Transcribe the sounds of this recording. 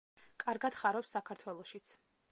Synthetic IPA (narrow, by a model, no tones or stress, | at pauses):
kʼaɾɡad̪̥χaɾɔpsːakʰaɾt̪ʰwɛlˠɔʃit̪sʰ